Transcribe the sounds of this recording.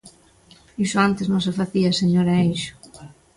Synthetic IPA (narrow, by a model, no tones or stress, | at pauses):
isʊant̪ɪznõŋs̬efaθiɐseɲoɾaejʃʊ̥